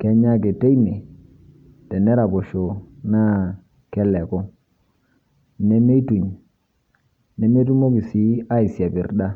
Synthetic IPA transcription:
kɛ˦ɲa˦ke˨te˦i˦ne˨ | tɛ˨ne˦ɾa˨bɔ˨ʃo˨na˦ | kɛ˦lɛ˨kɔ˦ | ne˦me˦tu˨ɲ | ne˨˦me˦t̬u˦mo˦ki˨si˦a˦i˨sa˨bɪ˨rda˦

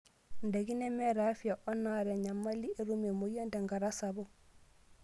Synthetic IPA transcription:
nde˨ki˦nɛ˦mɛɾafi˦aʔɔ˦naɾɛ˨ɲa˨ma˦liʔe˨ɾume˨mo˨jo˦nde˨ŋɡaɾasabo

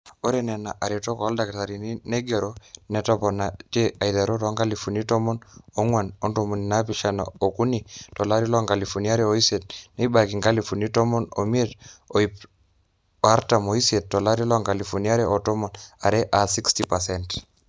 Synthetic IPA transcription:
o˦ɾe˦nɛ˨na˨ʔa˨ɾe˨tɔ˦kɔ˦lda˨kta˨ɾi˨ni˦ne˦ɡe˨ɾo˦nɛ˨tɔ˦pɔ˨na˨te˦a˨jða˨ɾo˦tɔ˦ŋɡa˦li˨funi˦tɔ˦mɔ˦no˦ŋwa˨no˦ntomu˨ni˨na˦p̬iʃa˨na̰o˨ku˦ni˨tɔ˨la˦ɾi˦lɔ˦ŋɡa˨li˨fu˨nia˦ɾe˦o˦i˦set̚ne˦i˦ba˨ki˨ŋɡa˦lifu˨ni˦tɔ˦mɔ˦no̰˨mi˦e˦to˨p | a˦ɾta˨mo˨i˦se˨t̚ːɔ˨la˦ɾi˦lɔ˦ŋɡa˨li˨fu˨nia˦ɾeʔo˨tɔ˦mɔ˨na˨ɾe˦ʔa˨si˦kstipasɛnt

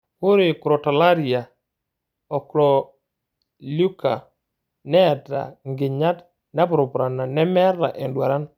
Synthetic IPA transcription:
hʊ˦ɾɪ˨ku˨ɾɔ˨ta˨la˦ɾi˨a˨ | ɔ˨kɾɔ˨ | lu˦ka̰˨ | nɛ˦˨ta̰˨ŋɡɪ˨ɲa˦t | na˦bɾɔ˨pɾa˨na˨nɛ˦mɛ˦ɾa̰˨ʔɛ˨ndwa˨ɾa˦n

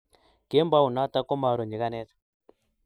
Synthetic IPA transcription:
ke˦mba˦u˨na˦ta˦kɔ˦ma˨ɾɔ˨ɲi˨ɣa˦nɛ˦tḁ˨

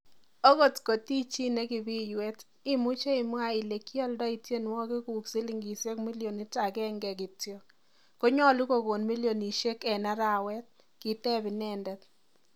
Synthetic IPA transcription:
o˦ɣo˦tko˨ti˦t͡ʃi˦ne˦kɪ˨bi˦jwɛ˦t | i˦mu˦t͡ʃe˦i˨˦mwa˦i˨le˨kjɔ˦ldɔ˦i˨tje˦n˦wɔ˦kɪ˦ku˨ksi˦li˦˨ŋɡi˨se˦kmi˦lijo˨ni˦ta˨kɛ˦ŋɡɛ˨k̬ɪ˨tjo˨ | ko˦ɲɔ˦˨lu˦ko˨ko˨nmi˦ljo˨ni˨ʃe˦kɛ˨na˦ɾa˨wɛ˦t̚ | kɪ˨tɛ˦bɪ˨nɛ˦˨ndɛ˦t

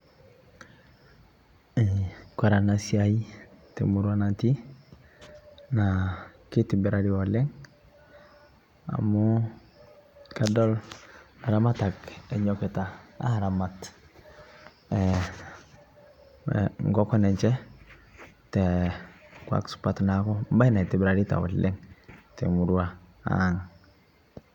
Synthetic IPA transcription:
kwa˨ɾa˨nasiai˦tɛ˨muɾwana˨ti˦ | naki˦tibi˨ɾadiɔlɛ˦ŋ | a̰˨mu | kadɔ˦la˨ɾamata˨kɛ˨ɲɔkɛ˨ta˨a̰˦˨ɾa˨mat | ɛ | ŋɡɔ˦kɔ˦nɛ˨ɲt͡ʃɛ˦ | tɛ˨ | kwa̰˨ksʊ̥patna˨kɔ˦m˦ba˦jna˨i˨ti˨bɪ˨ɾaɾi˦ta̰˨wɔ̰˨lːɪ˦ŋtɛ˨mu˨ɾu˦a˦ | a̰˨ŋ

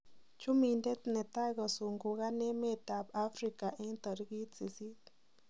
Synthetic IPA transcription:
t͡ʃu˦mi˧nd̪e˦t̪ne˨t̪a˦ɡa˨su˨ŋɡu˨ɡa˦ne˦me˦t̪a˨ba˦fɾi˧ka˨ʔe˦nt̪a˨ɾɡi˦t̪si˨si˦t̪

